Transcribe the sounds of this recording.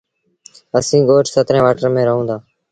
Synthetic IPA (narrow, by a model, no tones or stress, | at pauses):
əsĩːɠoːʈsət̪ɾẽːʋaːʈəɾmẽːɾəɦũːnd̪aː